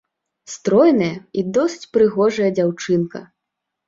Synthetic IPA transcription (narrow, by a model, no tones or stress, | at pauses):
st̪ɾɔjnɐjɐid̪ɔsɨ̥t͡sʲpɾɨɣɔʐɐjɐd͡zʲawt͡ʂɨnkɐ̰